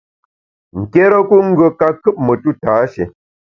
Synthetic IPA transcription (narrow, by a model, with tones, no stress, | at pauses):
ŋ̩˨ke˦ɾə˦ku˦ŋ̩˦ɡə˨ka˦kɨ˦p̚mə˨tu˦˨taː˨˦ʃḛ˨